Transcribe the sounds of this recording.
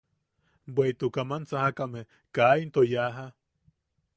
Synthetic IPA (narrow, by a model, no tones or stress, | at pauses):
bweit̪ukamant͡sahakame | kaint̪ojaɦa